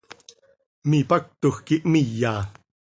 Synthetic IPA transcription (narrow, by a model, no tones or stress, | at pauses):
mipak̚t̪uxkiʔmijːaː